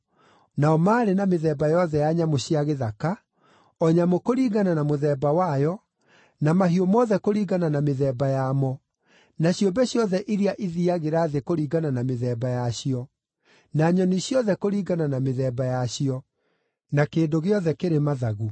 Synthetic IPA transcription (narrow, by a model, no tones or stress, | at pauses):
naɔmaːɾenameðɛːbajɔðɛjaɲamoɕiaɣeðaka | ɔɲamokoɾiːɣɡananamoðɛːbawajɔ | namaɦiomɔðɛkoɾiːɣananameðɛːbajamɔ | naɕjobɛɕjɔðɛʔiɾiaʔiðiaɣeɾaðekoɾiːɣananameðɛːbajaɕiɔ | naɲɔniɕjɔðɛkoɾiːɣananameðɛːbajaɕiɔ | nakeːdoɣeɔðɛkeɾemaðaɣu